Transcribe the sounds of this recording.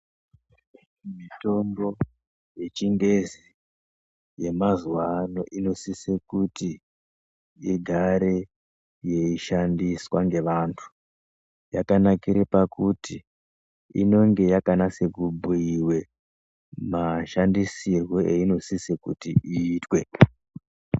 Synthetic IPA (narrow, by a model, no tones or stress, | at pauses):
mito̞mbo̞ | je̞t͡ʃiŋɡe̞zi | je̞mazwano̞ʔino̞sisekuti | iɡʱaɾe̞ | je̞iʃandiswaŋɡe̞ʋantʰu̥ | jakanakiɾepakuti | ḭno̞ŋɡe̞jakanase̞kubʱuiwe̞ | maʃandisirwo̞ʔeino̞sisekṵtiiːtwe